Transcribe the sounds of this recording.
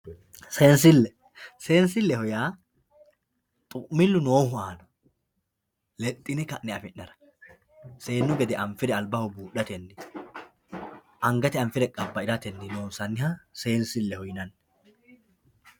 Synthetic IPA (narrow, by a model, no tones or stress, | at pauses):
se̞ːnsɪlːɛ | se̞ːnsɪlːɛhɔjaː | t̪ʼʊʔmːɪlːʊnoːhʊaːnɔ̥ | lɛt̪ʼːɪnɛkɐʔːɛɐfɪnːɐɾɐ̥ | se̞ːnːʊɡɛd̪ɛʔɐɱfɪd̪ɛɐlbɐhʊbuːɗɐt̪ɛnːɪ | ʔɐŋɡɐt̪ɛɐɱfɪd̪ɛkʼɐbːɐɪɾɐt̪ɛnːɪno̞ːsɐnːɪhɐse̞ːnsɪlːɛhɔjnɐnː